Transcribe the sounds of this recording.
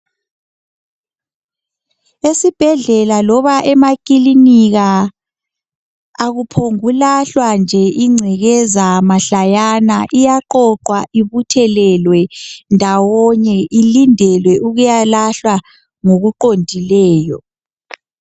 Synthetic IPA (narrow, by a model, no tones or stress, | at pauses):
esib̥ʱɛɮɛlalɔβaʔɛmakʼiliniɣa | ɣupʰoŋulaɬwand͡ʒʱɛʔiŋ͡ǀʱɛɣɛzamaɬajanaʔijaǃɔǃwaʔiβutʰɛlɛlwɛndʱawɔɲɛʔilindʱɛlwɛʔuɣujalaɬwa | ŋoɣuǃondʱilɛːjɔ̰